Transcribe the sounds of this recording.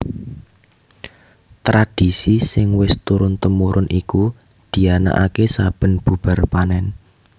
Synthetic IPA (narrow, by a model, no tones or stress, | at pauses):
t̪ɾad̥i̤sisɪŋwɪst̪uɾʊnt̪əmuɾʔʊnʔiku | d̪̥i̤ana̰ʔakesab̥ə̤nb̥ṳb̥ə̤rpanɛn